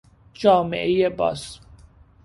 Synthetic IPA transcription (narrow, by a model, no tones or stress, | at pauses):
d͡ʒɒːmḛʔejebɒ̰ːs